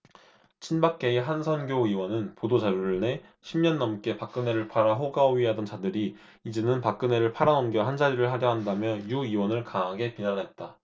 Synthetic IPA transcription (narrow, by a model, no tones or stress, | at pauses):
t͡ɕʰinbak̚k͈e̞eɦansʰʌnɡjoiwʌnɯnpodod͡ʑaɾjoɯɭne̞ | ɕʰimɲʌnːʌmk͈e̞pak̚k͈ɯne̞ɾɯɭpʰaɾaɦoɡaoɥiɦadʌnt͡ɕadɯɾi | id͡ʑe̞nɯnpak͈ɯne̞ɾɯɭpʰaɾanʌmɡjʌɦand͡ʑaɾiɾɯɭɦaɾjʌɦandamjʌjuiwʌnɯɭkaɦaɡe̞pinanɦe̞t̚t͈a